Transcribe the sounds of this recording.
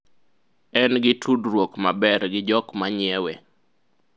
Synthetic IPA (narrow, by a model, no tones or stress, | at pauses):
ɛnɡɪtʰudɾwokmabɛɾɡɪd͡ʒɔkmaɲɪɛwɛ